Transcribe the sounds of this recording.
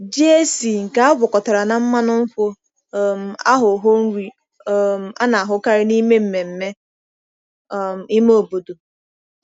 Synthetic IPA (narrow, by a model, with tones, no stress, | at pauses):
d͡ʒi˦e˦si˨ŋ̩˨ka˦a˦ɡʷʊ˨kɔ˨ta˨ɾa˨na˨m̩˦ma˦nʊ˦m̩˦fo˦˨ | m̩˨a̰˦ɦʊ˨ɦo˦n̩˦ɾi˦ | m̩˨a̰˦na˨a˨ɦʊ˦ka˦ɾɪ˦ni˦me˦m̩˨me˨m̩˨me˦˨ | m̩˨ɪ˦me˦o˨bo˨do˨